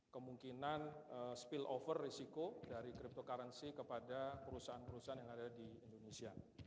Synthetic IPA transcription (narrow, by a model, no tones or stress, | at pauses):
kəmuŋkinanəspilofərːisikodaɾikɾip̚t̪okaɾansikəpadapəɾusaanpəɾusaanjaŋadadiindonesia